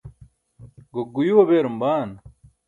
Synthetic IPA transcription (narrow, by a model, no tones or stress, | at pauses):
ɡoɡujuwɐbeːɾɐmbaːn